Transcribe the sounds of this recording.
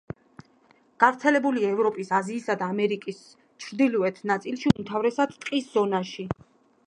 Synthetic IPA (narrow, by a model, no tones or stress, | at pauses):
ɡ̥avɾt̪sʰɛlɛbuliaɛvɾɔpʼisaziːsad̪aːmɛɾikʼis | t͡ʃʰɾd̪ilɔɛt̪ʰnat̪sʼilʃiumt̪ʰavɾɛsad̪t̪ʼqʼisz̥ɔnaʃi